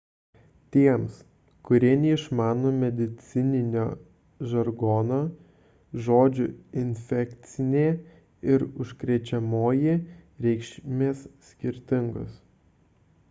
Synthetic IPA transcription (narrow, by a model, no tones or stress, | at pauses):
t̪ʲiɛms | kʊɾʲiɛnʲɛɪʃmɑːnoːmʲɛd̪ʲɪt̪sʲɪnʲɪnʲoː | ʒɐɾɡɔːnoː | ʒoːd͡ʒʲʊɪnʲfʲɛkʲt̪sʲɪnʲeː | ɪɾʊʃkɾʲɛt͡ʃʲɛmoːjeɾʲɛɪkʃʲmʲeːsːʲkʲɪɾʲt̪ʲɪŋɡʊs